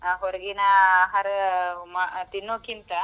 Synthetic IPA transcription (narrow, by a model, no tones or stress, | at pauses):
ɦɔɾɐɡinɐɦaɾmat̪inːoːkint̪ɐ